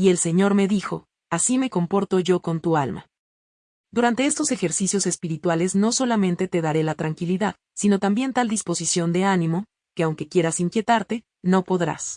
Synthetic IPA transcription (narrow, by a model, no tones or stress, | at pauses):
ie̞lse̞ɲo̞ɾmeðixo̞ | asime̞ko̞mpo̞ɾt̪o̞ʝo̞ko̞nt̪ualma̰ | d̪uɾant̪e̞est̪o̞se̞xe̞ɾsisjo̞se̞spiɾit̪wale̞zno̞so̞lamẽ̞nt̪e̞t̪e̞ðaɾe̞lat̪ɾaŋkiliðað | sino̞t̪ambje̞nt̪ald̪ispo̞sisjo̞nd̪e̞anĩmo̞ | ke̞awŋke̞kje̞ɾasiŋkje̞t̪aɾt̪e̞ | no̞po̞ðɾa̰s